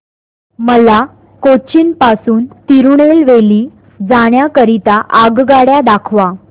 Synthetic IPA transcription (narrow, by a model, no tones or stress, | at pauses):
məla | kot͡ɕinpasuːnt̪iɾuɳelʋeliː | d͡zaɳ̃jakəɾit̪aʔaɡɡaɽjad̪akʰʋa